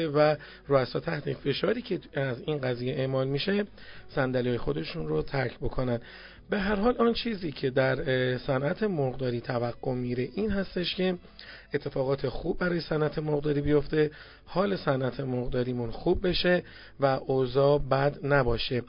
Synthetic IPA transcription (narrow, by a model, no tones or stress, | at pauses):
væ | roːæsɒːt̪ʰæht̪ʰefe̞ʃɒːɾiːcʰe̞æziːnɡæziːjeʔeːʔmɒːlmiːʃe | sænd̪ælɒːjexo̞d̪e̞ʃunɾot̪ʰæɾcʰbo̞kʰonænd̪ | be̞ɦæɾɦɒːlɒnt͡ʃʰiːziːcʰe̞d̪æɾsænʔæt̪ʰe̞moɣd̪ɒːɾiːt̪ʰævæɡːo̞miɾe̞ʔiːnhæst̪e̞ʃcʰe̞ | ʔet̪ʰːe̞fɒːɣɒːt̪ʰe̞xuːb̚ːæɾɒːje̞sænʔæt̪ʰe̞moɣd̪ɒːɾiːbijo̞ft̪e̞ | hɒːlesænʔæt̪ʰemoɣd̪ɒːɾiːmunxuːb̚ːe̞ʃe̞ | væʔozɒːbæd̪næbɒːʃe̞